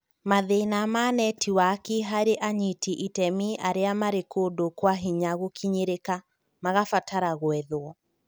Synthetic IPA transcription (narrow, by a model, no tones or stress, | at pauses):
maðenamaːnɛtʰiwakiɦaɾeʔaɲitiʔitɛmiʔaɾeamaɾekoːdokwaɦiɲaɣokʰiɲeɾeka | maɣafataɾaɣwɛðwɔ